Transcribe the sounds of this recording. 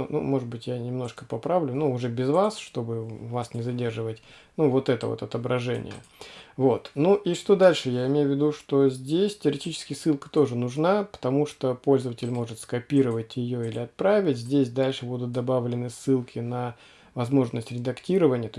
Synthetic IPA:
nṵmo̞ʐɨtd̪bɨtʲjanʲɪmno̞ʂkə̥pɐpɾavlʲʊnuʊʐɛbʲɪzvasʂt̪o̞bɨvasnʲɪzɐdʲe̞rʐɨvətʲnuvo̞t̪ɛt̪ə̰vo̰t̪ɐt̪əbɾʔɐʐɛ̰nʲɪ̰jə̰vo̞t̪nuʔiʂt̪o̞d̪alʲʂɨjaɪmʲejʊvʲːɪd̪uʂt̪o̞zʲdʲesʲtʲɪəɾʲɪtʲit͡ɕɪ̥skʲɪjəsːɨlˠkə̥t̪o̞ʐɨnʊʐnapə̥t̪ɐmuʂt̪opo̞lʲzəvətʲɪlʲmo̞ʐɨt̪skɐpʲiɾəvətʲjɪjoilʲɪɐt̪̚pɾavʲɪtʲzʲdʲesʲd̪alʲʂɨbud̪ʊt̪̚d̪ɐbavlʲɪnɨsːɨlˠkʲɪnə | vɐzmo̞ʐnəsʲtʲɾʲɪd̪ɐktʲiɾəvənʲɪjət̪o

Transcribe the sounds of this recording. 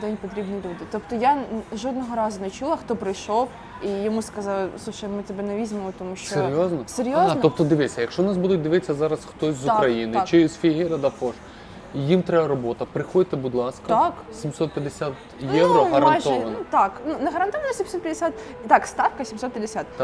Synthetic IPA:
d̪ɛnʲpɔt̪ɾʲibnijlʲud̪ɪt̪ɔpt̪ɔjaʒɔd̪nɔɦɔɾɑzʊnɛt͡ʃulˠɐxt̪ɔpɾɪjʃɔw | ijɔmuskɐzɑlˠɪsˠuʃɐjmɪt̪ɛbɛnɛʋʲizʲɪmemɔt̪ɔmuʃt͡ʃsɔeɾʲjɔznɔseɾʲjoznɔp̚t̪ɔd̪ɪʋɪsʲɐjɐkʃɔnɑsbud̪ʊt̚ʲd̪ɪʋɪt͡sʲːɐzɑɾɐsxt̪ɔsʲzʊkɾɐjinɪt͡ʃɪzfʲiɦɪɾɐd̪ɐpɔʒ | jimt̪ɾɛɐɾɔbɔt̪ɐpɾɪxɔd̪ʲɪt̪ebud̪lˠɑskɐaksʲimsɔt̪̚pʲjɐd̪esʲat̪ | jɛwɾɔɐɾmɐnajʒɔʋɐnut̪ɑknunɐɦɐɾɐnt̪ɔʋɐnɔsʲimsɔt̪̚pʲjɐd̪eɪsʲat̪ | t̪ɑkst̪ɑfkɐsʲimsɔt̪pʲjɐd̪esʲat̪

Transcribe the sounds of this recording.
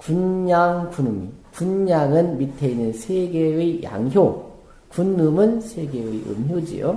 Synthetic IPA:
kunɲaŋkunumḭkunɲaŋɯnmitʰeinɯnsʰeɡeɯjʔa̰ŋɦjo | kunːɯmɯnsʰeɡe̞ɯʔɯ̰mɦjod͡ʑḭjo̰

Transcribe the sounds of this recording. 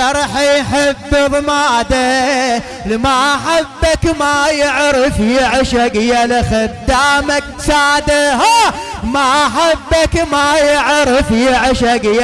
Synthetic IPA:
ɑɾˤħjħafːɨðˤmad̪a | lɪmaaħabːakmajɪʕɾɪfjɪʕʃaɡjalɪxɪd̪ːamak̚t̪aːd̪aɦa | maħabːakmajɪʕɾɪfjɪʕʃaɡj

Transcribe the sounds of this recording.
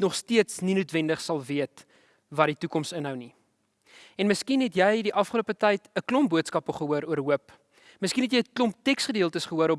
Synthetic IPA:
nɔχstiətsninuətvɛndəχsɐlˠviət | vɐditukɔmstənɦəwni | ɛnməskinɦɛtjɛjdiʔɐfχəluəpətɐjtəklɔmbuətskɐpəχəɦuəɾuərɦuəp | məskinɦɛtjɛjklɔmptɛksχədiəlˠtəsχəɦuəɾɔp

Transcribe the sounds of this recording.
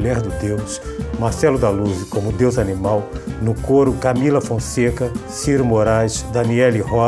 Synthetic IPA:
ʎɛɾd̪ʊd̪ewsmaɾsɛlʊd̪aluzɪkõmʊd̪ewzɐnimawnʊkoɾʊkamilɐfõsekɐsiɾʊmoɾajsd̪ɐniɛlihɔ

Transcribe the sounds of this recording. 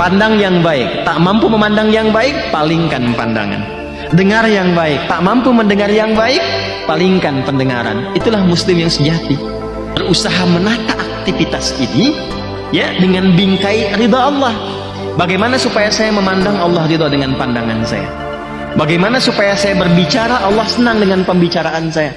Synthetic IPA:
pandaŋjaŋbaɪk̚t̪aʔmampuməmandaŋjaŋbaɪk̚paliŋkanpa̰nda̰ŋa̰n | dəŋarjaŋbaɪk̚t̪aʔmampuməndəŋarjaŋbaɪk̚ | paliŋkanpəndəŋa̰ɾa̰nit̪ulahmuslɪmjaŋsəd͡ʒat̪i | bərusaɦamənat̪aʔːk̚t̪ifit̪asini | jadəŋanbiŋkaiɾid̪ɑːlˠːɑh | baɡajmanasupajasajaməmandaŋɑlˠːɑhɾid̪ɔdəŋanpandaŋa̰nsa̰ja̰ | baɡajmanasupajasajabərbit͡ʃaɾaʔɑlːɑhsənaŋdəŋanpəmbit͡ʃaɾaʔansaja

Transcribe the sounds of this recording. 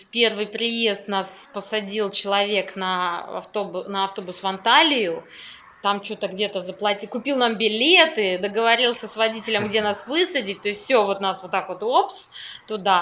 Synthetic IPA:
pʲe̞rvɨjpɾʲɪje̞st̪naspəsɐdʲilˠt͡ɕɪlˠɐvʲe̞knəɐ̰ft̪o̞bʊnəɐft̪o̞bʊsvɐnt̪alʲɪjʊ | t̪amt͡ɕot̪əɡdʲe̞t̪əzəplˠɐtʲikʊpʲilˠnambʲɪlʲe̞t̪ɨd̪əɡəvɐɾʲilˠsʲəsvɐdʲitʲɪlʲəmɡdʲenasvɨsədʲɪt̚ʲt̪o̞ɪsʲtʲfsʲovo̞t̪nasvot̪ːakvo̞t̪opst̪ʊd̪a

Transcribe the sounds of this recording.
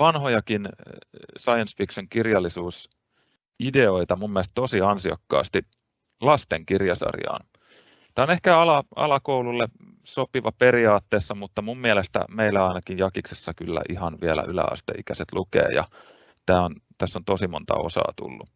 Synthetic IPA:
ʋɑnhojɑkin | sɑjɑnsfiksoŋkirjɑlːisuːs | ideoit̪ɑmumːieælest̪t̪osiɑnsiɑ̰kːɑ̰ːst̪i | lɑst̪eŋkirjɑsɑ̰rjɑ̰ːn | t̪æːonehkæɑlɑɑ̰lɑkoululːe | sopiʋɑpeɾiɑːt̪ːeːsːɑmut̪ːɑmumːiælest̪æ̰meilːæɑinɑkijjɑkiksesːɑkylːæ̰ʔihɑnʋiælæ̰ʔylæ̰ɑ̰st̪ḛikæset̪lukḛːjɑ̰ | t̪æːont̪æsːont̪osimont̪ɑ̰o̰sɑ̰ːt̪ṵlːu

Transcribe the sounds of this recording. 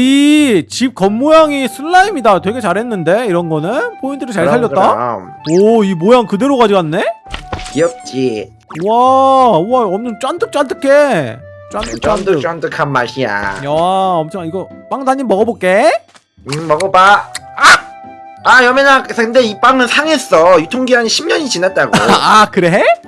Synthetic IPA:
it͡ɕip̚kʌmːojaŋisʰɯɭːaimidatwe̞ɡe̞t͡ɕaɾɦe̞nːɯnde̞iɾʌnɡʌnɯnpʰointʰɯɾɯɭt͡ɕaɭsʰaʎd͡ʑʌtt͈am | ʌimojaŋkɯde̞ɾokad͡ʑiɡannːe̞kiʌp̚t͡ɕ͈i | uauaʌmʌt͡ɕ͈want͈ʰɯk̚t͡ɕ͈ant͈ʰɯkʰe̞ | t͡ɕ͈wantʰɯkt͡ɕantɯɯkt͡ɕ͈ant͈ɯkʰanma̰ɕia̰aʌmt͡ɕʰʌŋiɡʌp͈aŋsʰaɲimːʌɡʌbok͈e̞ | mʌɡʌba | a | ajʌmenaksakɯnde̞ip͈aŋɯnsʰaŋe̞s͈ʌjutʰoŋɡiaɲiɕʰimɲʌɲit͡ɕinat̚t͈aɡoakɯɾe̞ɦe

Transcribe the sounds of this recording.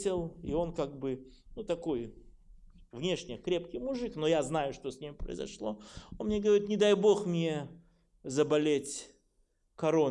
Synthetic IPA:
tʲɪlˠḭo̞nkaɡ̚bɨ | nut̪ɐko̞j | vnʲe̞ʂnʲɪkɾʲe̞pkʲɪjmʊʐɨknojaznajʊʂt̪osʲnʲimʲpɾə̰ɪ̰zɐ̰ʂlˠoonmnʲeɡəvɐɾʲit̪nʲɪd̪ajbo̞xmnʲe̞ | zəbɐlʲetʲ | kɐɾo̞n

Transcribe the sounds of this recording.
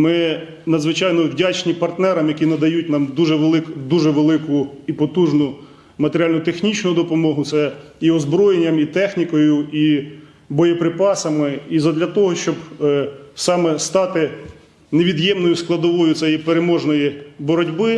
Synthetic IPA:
mɪ | nɐd̪zʋɪt͡ʃɑjnɔwdʲat͡ʃnʲipɐrt̪nɛɾɐmjɐkʲinɐd̪ɐjut̚ʲnɑmd̪uʒɛʋelˠɪkd̪uʒɛʋelˠɪkʊipɔt̪uʒnʊ | mɐt̪eɾʲalʲnʊt̪exnʲit͡ʃnʊd̪ɔpɔmɔɦʊt̪sɛ | iɔzbɾɔjenʲːɐmit̪ɛxnʲikɔjʊi | bɔjɛpɾɪpɑsɐmɪizɐd̪lʲɐt̪ɔɦɔʃt͡ʃɔb | sɑmɛst̪ɑt̪ɪ | neʋʲid̪jɛmnɔjʊsklˠɐd̪ɔʋɔjʊt̪ʲɛjipeɾemɔʒnɔjibɔɾɔdʲbɪ

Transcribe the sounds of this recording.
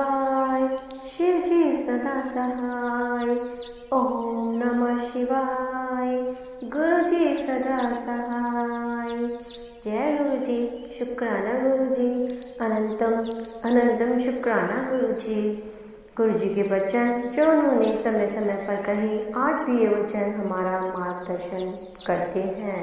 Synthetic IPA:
aj | ʃiʋd͡ʒisnɐd̪aːsaɦajoɦnɐmɐʃiʋaj | ɡuɾud͡ʒisnɐd̪asaɦaj | jɛɡuɾud͡ʑiʃʊkɾaːnaɡuɾud͡ʒiː | ɐnənt̪ɐmɐnə̃nt̪ɐmʃʊkɾaːnaɡuɾud͡ʒi | ɡʊɾud͡ʒiːkebɐt͡ʃənt͡ʃoːnuneːsɐməjsɐməjpɐɾkɐɦĩaːʈ̚ʰbieʋɐt͡ʃənɦɐmaːɾamaːt̪̚d̪ɐɾʃən | kɐɾt̪eɦɛ̃ː

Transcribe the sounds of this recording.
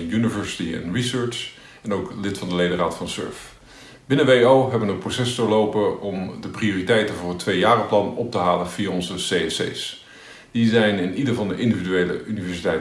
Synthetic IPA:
jynivɛɹsi̥tiɛ̰nɹisøɹt͡ʃ | ɛnowklɪtfɑndəlejdəraːtfɑnsø̰ɹf | b̥ɪnəʋeowɦɛbənəprosɛsdoːɹlowpəɔmdəprioːritɛjtənvʊːɹɦətːʋejjaːrəplɑnɔp̚təɦaːlənv̥ijaɔnzəseɛsḛjs | d̥izɛjnɪnidəɹvɑndəʔɪndividyejlə̰ʔynivɛɹsitɛjt

